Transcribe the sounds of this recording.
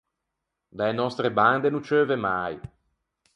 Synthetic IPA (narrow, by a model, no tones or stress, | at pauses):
d̪aenɔst̪ɾeband̪enut͡ʃøːvemaj